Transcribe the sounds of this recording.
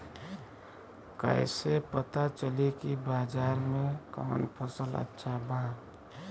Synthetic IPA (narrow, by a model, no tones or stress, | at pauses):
kə̰ɪsepət̪at͡ʃəlikibaːd͡ʒaːɾmẽka̰ːnpʰəsələ̰tːʃʰabã